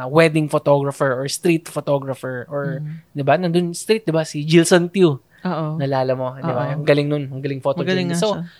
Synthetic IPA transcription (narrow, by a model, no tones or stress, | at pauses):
wɛd̪ɪŋfot̪oɡɾɐfɛɹʔɔɹst̪ɾit̪fot̪oɡɾɐfɛɹʔoɹd̪ɪbanɐnd̪ʊnst̪ɾit̪̚d̪ɪbasɪd͡ʒɪlsont̪ju | oʔnɐlaːlɐmo̞d̪ɪbaɐŋɡɐlɪŋnʊnhɐŋɡɐlɪŋfot̪oɡɐɪso